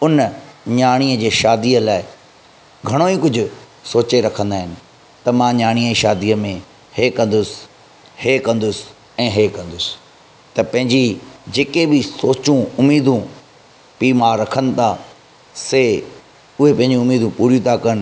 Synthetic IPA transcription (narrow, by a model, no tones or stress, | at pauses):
ʊnɲaːɽ̃iəd͡ʑeːʃaːd̪iːəlaːɪ | ɡʱɐɽ̃oikʊd͡ʑʱʊ̆ | soːt͡ɕeɾɐkʰə̃nd̪aːɦɪnɪ̆ | t̪ɐmãɲaːɽ̃ijəiʃaːd̪iəmẽ | hekɐ̃nd̪ʊsɪ̥ | heːkɐ̃nd̪ʊsɪ̥ | ɛ̃ːɦeːkɐ̃nd̪ʊs | t̪ɐpɐ̃ɦɪ̃ɲd͡ʑid͡ʑeːkebɪsoːt͡ɕũʊmiːd̪ʱũ | piːmaːɾɐkʰənɪ̆t̪ʰa | se | ʊɦepɐ̃ɦɪ̃ɲd͡ʑĩʊmiːd̪ʱũpuːɾjũt̪ʰakɐɽ̃